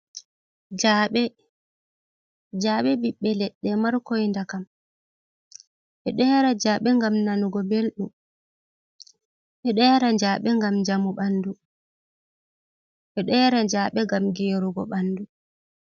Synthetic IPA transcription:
d͡ʒaɓɛ | d͡ʒaːɓɛbiɓːɛlɛɗːɛmaɾkɔjndakam | ɓɛɗɛːɾad͡ʒaːɓɛŋɡamnanuɡɔbelɗum | ɓɛɗɛːɾad͡ʒaːɓɛŋɡamd͡ʒamuɓandu | ɓɛɗɛːɾad͡ʒaːɓɛɡamɡeːɾuɡɔ̰ɓanːdu

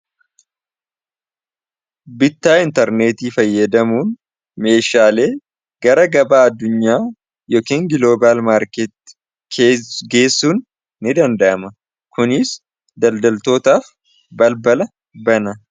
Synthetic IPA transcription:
bɪt̪ːaːɪnt̪ɐɾne̞ːt̪iːfɐjːɐd̪ɐmuːn | me̞ːʃaːle̞ː | ɡ̥ɐɾɐɡɐbaːɐd̪ːʊɲːaː | joːkeːŋɡɪlo̞ːbaːlmaːɾket̪ː | ɡe̞ːsːuːnː | ɪd̪ɐnd̪ɐʔɐmɐ | kʊnɪs | d̪ɐld̪ɐlt̪o̞ːt̪aːf | bɐlbɐlɐ | bɐnɐ

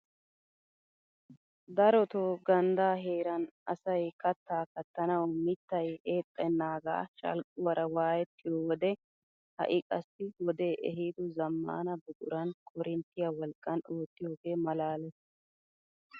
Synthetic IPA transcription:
d̪ɐɾɔt̪oːɡɐnd̪aːɦeːɾɐnɐsɐjkɐt̪ːaːkɐt̪ːɐnɐwmɪt̪ːɐjeːt̪ʼːɐnːaːɡa̰ːʃɐ̰lkʼːʊwɐɾɐwaːjɛt̪ːɪjoːwɔd̪ɛ | hɐ̰ʔɪkʼɐsːɪwɔd̪e̞ːʔɛɦiːd̪ʊzɐmːa̰ːnɐbɛt̪ʼʊɾɐnkʼɔɾɪnt̪ːɪjɐwɔlkʼːɐnoːt̪ːɪjo̞ːɡe̞ːmɐlaːlɛ

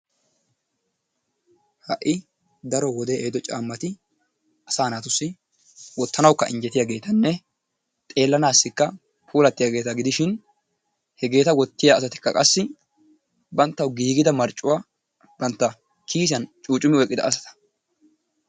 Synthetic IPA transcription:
hɐʔːɪ | d̪ɐɾɔwɔd̪eʔeːd̪ɔt͡ʃʼa̰ːmːɐt̪ɪ | ʔɐsaːnaːt̪ʊsːɪ | wɔt̪ːɐnɐwkːɐʔɪ̰nd͡ʒɛt̪ɪjaɡe̞ːt̪ɐnːɛ | t̪ʼe̞ːlːɐnaːsːɪkːɐ | pʰuːlɐt̪ːɪjaɡe̞ːt̪ɐɡɪd̪ɪʃɪn | hɛɡe̞ːt̪ɐwɔt̪ːɪjaːsɐt̪ɪ̥kːɐkʼɐsːɪ | bɐnt̪ːɐwɡiːɡɪd̪ɐmɐɾt͡ʃʼːʊwa | bɐnt̪ːɐ | kʰiːs̬jɐnt͡ʃʼuːt͡ʃʼʊmɪɔjkʼːɪd̪ɐ̰ːsɐ̥t̪ɐ̥

